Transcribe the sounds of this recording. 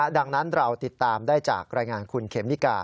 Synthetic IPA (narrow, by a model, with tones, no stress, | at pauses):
da˧ŋna˦˥nɾa˧wt̪i˨˩t̪ːaː˧mdaː˥˩jt͡ɕa̰ː˨˩k̚ɾaː˧jŋaː˧nkʰu˧nkʰe˩˦mni˦˥kaː˧